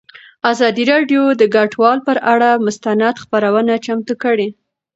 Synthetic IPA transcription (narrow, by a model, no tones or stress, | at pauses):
azɑd̪iɾɑɖjod̪əɡaʈwɑlpəɾaɽamʊst̪anad̪xpaɾawənat͡ʃamt̪ukəɽe